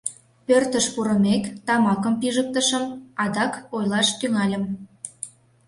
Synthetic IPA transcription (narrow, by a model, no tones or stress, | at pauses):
pørt̪əʃpuɾə̆mekt̪ɑmɑkəmpiʒək̚t̪ə̆ʃəmɑd̪ɑkojlɑʃt̪yŋɑlʲə̆m